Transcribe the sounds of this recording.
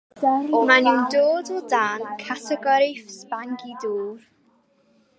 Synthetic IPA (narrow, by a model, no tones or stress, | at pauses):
aɔmaniwndoːdɔdaːnkʰatʰɛɡɔɾɪfspaŋɡiduːr